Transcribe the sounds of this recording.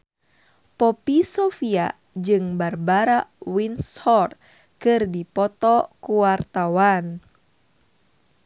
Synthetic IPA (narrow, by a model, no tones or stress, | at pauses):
pɔpisɔfia | d͡ʒɨŋbarbaɾawinshɔrt̪̚ | kɨrdipɔt̪ɔkuwart̪awan